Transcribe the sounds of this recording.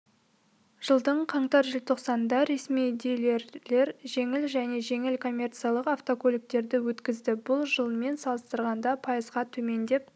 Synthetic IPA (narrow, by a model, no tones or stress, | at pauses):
ʒ̥əlˠd̪əɴqʰɑɴt̪ɑɾʒəlt̪ʰo̞qsɑnəd̪ɑɾe̞smijd̪ele̞ɾle̞ɾʒe̞ŋɪlʒæne̞ʒe̞ŋɪlkʰo̞mʲːe̞rt̪sɨjalˠəqaft̪o̞kʰolʲik̚t̪e̞ɾd̪ɪwɵt̪kʲɪzd̪ɪbʊlˠʒəlˠme̞nsɑlˠəst̪əɾʁɑnd̪ɑpʰɑjəzʁɑt̪ʰɵme̞nd̪e̞p